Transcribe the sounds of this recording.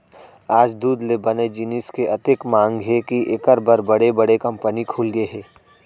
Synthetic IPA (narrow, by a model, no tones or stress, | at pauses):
aːd͡ʒd̪uːd̪lebɐned͡ʒinɪskeʔɐt̪ekmãːŋɡɦɛkiʔɪkəɾbəɾbɐɽebɐɽekɐ̃mpənikʰuːlɡeɦɛː